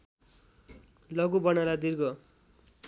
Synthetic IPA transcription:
lʌɡubʌnalad̪irɡʌ

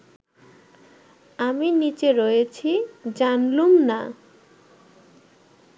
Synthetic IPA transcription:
aminit͡ɕeɾojet͡ɕʰid͡ʑanlumna

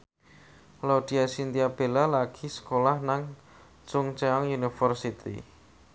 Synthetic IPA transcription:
lawɖ̥i̤asint̪iab̥elalaɡ̥isə̥kolahnaŋ | t͡ʃʊŋt͡ʃɛɔŋjunifərsit̪ḭ

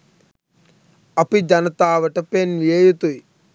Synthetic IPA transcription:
ɐpid͡ʒɐnɐt̪aːʋɐʈɐpenjeːjut̪uj

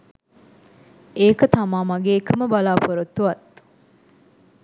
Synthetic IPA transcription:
eːkət̪amaːmɐɡeːkʰəməbalaːpoɾot̪ːuʋɐt̪

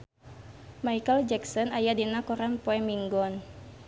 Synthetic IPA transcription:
majkəld͡ʒɛksɔnajadinakɔɾanpɔɛmiŋɡɔn

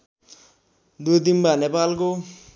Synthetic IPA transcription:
d̪ut̪inbanepalko

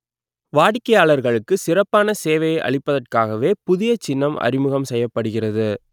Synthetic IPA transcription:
ʋaːɽɪkːɐjaːɭɐɾɣɐɭɯkːɯsɪrɐpːaːnɐseːʋɐjɐɪʔɐ̰ɭɪpːɐðɐrkaːɣɐʋeːpʊðɪjɐt͡ʃɪnːɐmɐ̰rɪmɯɣɐmsɛjːɐpːɐɽɯɣɪrɐðɯ

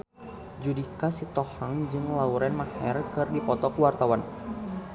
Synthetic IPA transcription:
d͡ʒudikasit̪ɔhaŋd͡ʒɨŋlauɾɛnmahɛrkɨrdipɔt̪ɔkuwart̪awan

